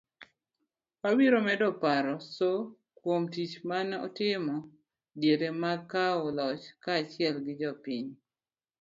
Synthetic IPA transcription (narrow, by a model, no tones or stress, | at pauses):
wabiɾomɛdɔpaɾɔso | kwomtit͡ʃmanɔ̰tɪmɔ | djeɾemakːaɔlɔt͡ʃkaːt͡ʃɪɛlɡɪd͡ʒɔpiɲ